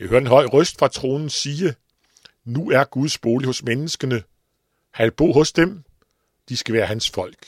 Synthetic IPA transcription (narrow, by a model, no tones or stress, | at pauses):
jɑɪhøɐd̥e̝nɦɒ̽ɪ̰ʁœsd̥fʁɑ̈t͡sʰʁo̝ːnn̩siːə | nuæɐɡ̥uð̞ˠsb̥o̝ːlihɔ̽smenəsɡ̥ənə | hælb̥o̰ːɦɔ̽sd̥em | d̥isɡ̥æʋæːɐhænsfɒ̽l̰ɡ̥